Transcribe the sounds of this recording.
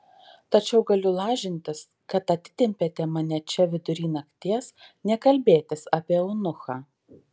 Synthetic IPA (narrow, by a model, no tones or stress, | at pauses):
t̪ɐt͡ʃʲɛʊɡɐlʲʊlˠɑːʒʲɪnʲt̪ʲɪs | kɐt̪ɐt̪ʲɪ̥t̪ʲɪmʲpʲet̪ʲɛmɐnʲɛt͡ʃʲɛʋʲɪd̪ʊɾʲiːnɐkt̪ʲiɛsnʲɛkɐlʲbʲeːt̪ʲɪsɐːpʲiɛɔʊnʊxɑː